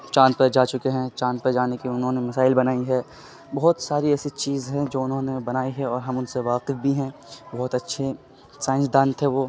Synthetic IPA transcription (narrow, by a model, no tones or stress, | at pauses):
t͡ʃãːnpɐɾd͡ʒaːt͡ʃʊkeɦɛ̃t͡ʃãːnpɐɾd͡ʒaːnekiʊnɦõnemɐsaːɪlbɐnaːiɦɛː | bɐɦʊt̪saːɾiɛːsit͡ʃiːzɦɛ̃d͡ʒoːʊnɦõːnebɐnaːiɦɛɔːɾɦɐmʊnseʋaːqɪfbʱiɦɛ̃bɔɦʊt̪ɐtːʃʰe | sãːɪ̃nsd̪ãːnt̪ʰeʋoː